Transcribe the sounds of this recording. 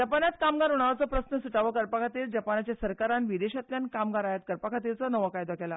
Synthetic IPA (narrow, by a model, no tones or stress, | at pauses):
d͡ʑəpanat̪kamɡaɾɦuɽ̃aʋat͡sɔpɾəsnəsuʈaʋəkəɾpakʰat̪iːɾd͡ʑəpanat͡ɕjasəɾkaɾanʋid̪eɕat̪ljankamɡaɾajat̪̚kəɾpakʰat̪ilt͡sɔnəʋəkajd̪akɛla̰